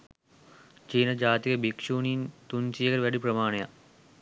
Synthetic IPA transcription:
t͡ʃiːnɐd͡ʒaːt̪ikɐbikʂuːnint̪unsijɐkɐɾʋɐɖipɾɐmaːɳejɐ̰

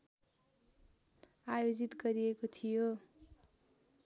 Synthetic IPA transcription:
ajod͡zit̪ɡʌɾiekot̪ʰijo

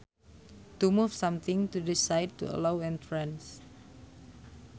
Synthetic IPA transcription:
t̪umufsãmt̪ɪ̃ŋt̪udisajd̚tṵə̰lawɛ̃nt̪ɹɛ̃ns

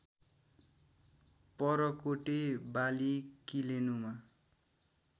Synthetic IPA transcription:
pʌɾʌkoʈebalikilenuma

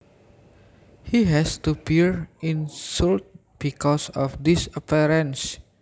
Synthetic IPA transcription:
hiɦɛstupiɹĩnsult̚ | b̥ikɔsɔfd̪isəpiɾə̃ns

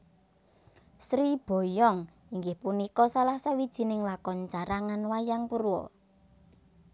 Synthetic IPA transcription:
sɾib̥ɔ̤jɔŋ | iŋɡɪhpunikɔsalahsawid̥ʒ̥i̤nɪŋlakɔnt͡ʃaɾaŋanwajaŋpuɾuwɔ̰

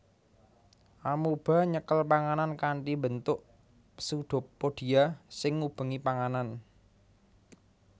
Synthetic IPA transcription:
ʔamub̥a̤ɲəkəlpaŋanankaɳʈibə̤nt̪ʊʔ | suɖ̪̥ʊ̤pːoɖ̥i̤asɪŋːub̥ə̤ŋipaŋanan

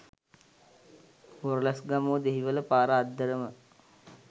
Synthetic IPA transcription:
oɾlasɡamoːd̪eɦiʋələpaːɾəːd̪ːəɾəmə

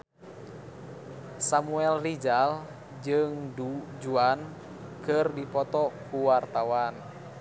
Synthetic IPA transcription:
samuɛlrid͡ʒal | d͡ʒɨŋdud͡ʒuan | kɨrdipɔt̪ɔkuwart̪awan

